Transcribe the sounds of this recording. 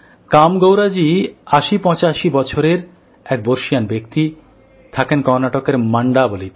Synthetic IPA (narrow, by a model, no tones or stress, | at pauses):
kamɡowɾad͡ʑiaʃipɔ̃t͡ɕaʃibɔt͡ɕʰoɾeɾ | ɛk̚boɾʃijanbek̚t̪i | t̪ʰakenkɔɾnaʈokeɾmaɳɖabolit̪